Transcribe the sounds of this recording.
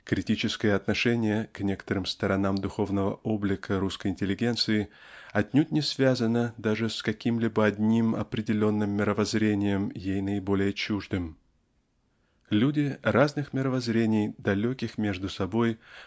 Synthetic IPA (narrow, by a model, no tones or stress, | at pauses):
kɾʲɪtʲit͡ɕɪskəjəɐt̪nɐʂɛnʲɪjəknʲe̞kə̥t̪əɾɨmst̪əɾɐnamd̪ʊxo̞vnəvə̰ʔo̞blʲɪkʰəɾuskəjɪnʲtʲɪlʲːɪɡʲe̞nt̪sɨɪ | ɐt̪ʲnʲut̚ʲnʲɪsvʲazənəd̪aʐɨskɐkʲimlʲibəɐdʲnʲimɐ̰pɾʲɪdʲɪlʲo̞nːɨmːʲɪɾəvɐzɾʲenʲɪjəmjejnəɪbo̞lʲɪjət͡ɕuʐd̪ɨm | lʲudʲɪraznɨxmʲɪɾəvɐzɾʲenʲɪjd̪ɐlʲokʲɪxmʲe̞ʐd̪ʊsɐbo̞j